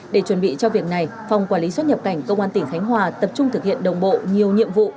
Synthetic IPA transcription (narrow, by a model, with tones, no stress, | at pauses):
ɗe˧˩t͡ɕwə˨˩nɓḭ˧˨t͡ɕɔ˧vi˨˩ək̚na˨˩jfa˨˩wŋ͡mkwaː˧˩li˨˦swt̚ɲə˨˩p̚ka˧˩jŋ̟kə˧wŋ͡mʔaː˧nt̪ï˧˩ŋxa˨˦jŋ̟ɦwaː˨˩t̪ə˨˩p̚t͡ɕʊ˧ŋ͡mt̪ʰɨ˨˩k̚hḭ˧˨ənɗə˨˩wŋ͡mɓo̰˧˨ɲi˨˩əwɲḭ˧˨əmvṵ˧˨